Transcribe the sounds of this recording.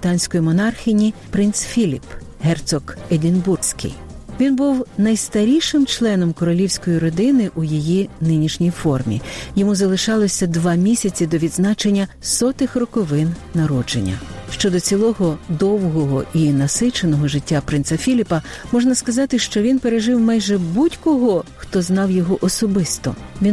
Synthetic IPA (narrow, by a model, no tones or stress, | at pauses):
bɪt̪ɑnʲsʲkɔjimɔnɑrxʲɪnʲipɾɪnt̪sfʲilʲip | ɦɛrt̪sɔked̪ʲɪnbursʲkḭj | ʋʲinbuwnɐjst̪ɐɾʲijʃɪmt͡ʃlˠɛnɔmkɔɾɔlʲiwsʲkɔjiɾɔd̪ɪnɪʔujijinɪnʲiʃnʲijfɔrmʲḭjɔmuzɐlˠɪʃɑlˠɔsʲɐd̪ʋɑmʲisʲɐt͡sʲid̪ɔʋʲid̪znɑt͡ʃenʲːɐsɔt̪ɪxrɔkɔʋɪnːɐɾɔd͡ʒḛnʲːɐ̰ʃt͡ʃɔd̪ɔt͡sʲilˠɔɦɔd̪ɔwɦɔɦɔ̰inɐsɪt͡ʃenɔɦɔʒɪtʲːapɾɪnsɐfʲilʲipɐmɔʒnɐskɐzɑt̪ɪʃt͡ʃɔʋʲinpeɾeʒɪwmɑjʒɛbutʲkɔɦɔxt̪ɔznɑwjɔɦɔʔɔsɔbɪst̪ɔ̰ʋʲin